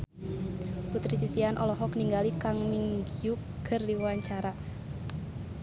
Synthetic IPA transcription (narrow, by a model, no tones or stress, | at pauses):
put̪ɾit̪it̪ianʔɔlɔɦɔkniŋɡalikaŋmiŋɡiukːərdiwuwaɲt͡ʃaɾa